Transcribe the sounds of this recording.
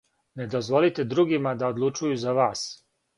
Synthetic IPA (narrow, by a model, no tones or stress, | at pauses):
ne̞d̪ozʋo̞lit̪ed̪ɾuːɡimad̪aod̪lˠut͡ʃujuzaʋaːs